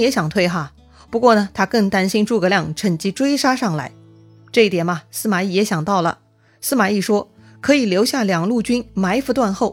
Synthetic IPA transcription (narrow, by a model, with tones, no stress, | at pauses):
jɛ˧˥ɕjɑ˨˩ŋt̪ʰwe˥˩ɪxa˥˩ | pu˧˥kwɔ˥˩nə˩t̪ʰa˥kɤ˥˩ŋt̪a˥nɕi˥nʈ͡ʂu˥˩ɡə˧ljɑ˥˩ŋʈ͡ʂʰə˨˩ŋt͡ɕi˧˥ʈ͡ʂwe˥ɪʂa˥ʂɑ˥˩ŋla˧˥ɪ | ʈ͡ʂɤ˥˧i˥t̪jɛ˨˩nbɐ˧sɹ̩˥˧ma˨˩i˥˩jɛ˧˥ɕjɑ˨˩ŋt̪ɑ˥˩ʊlə̰˩ | sɹ̩˥ma˨˩i˥˩ʂwɔ˥ | kʰɤ˧˥i˨˩ljo˧˥ʊɕja˥˩ljɑ˨˩ŋlu˥˩t͡ɕy˥nma˧˥ɪft̪wa˥˧nxo˥˩ʊ